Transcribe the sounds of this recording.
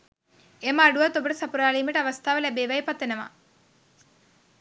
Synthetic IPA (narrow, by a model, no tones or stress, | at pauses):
eməːɖuʋat̪obəʈəsapuɾaːliːməʈəaʋast̪ʰaːʋəlæbeːʋaipat̪ʋenəʋa̰